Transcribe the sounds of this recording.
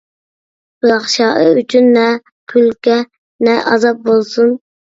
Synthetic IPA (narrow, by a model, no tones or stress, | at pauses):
bɑχʃɑːʔəyt͡ʃʰynːɛ | kʲʰylkʲɛ | nɛʔɑ̰zɑp̚bolˠsun